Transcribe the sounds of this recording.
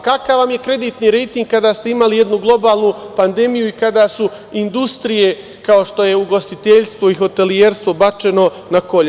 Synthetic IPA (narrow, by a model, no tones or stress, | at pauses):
kakaʋʋamje̞kɾe̞d̪iːt̪niɾe̞jt̪iŋɡ̚kad̪aːst̪e̞imalije̞d̪nuɡlˠo̞baːlˠnupand̪e̞mijuikad̪aːsu | ind̪ust̪ɾije̞ | kao̞ʃt̪o̞je̞uɡo̞st̪it̪eʎst̪ʋoiɦo̞t̪e̞lieɾst̪ʋobat͡ʃe̞no̞ | nako̞ʎ